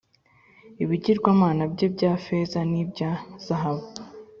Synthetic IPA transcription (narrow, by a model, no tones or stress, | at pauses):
iβiɟiɾɡwaːmaːnabɟebɟaːfe̞zanibɟaz̥aɦaβu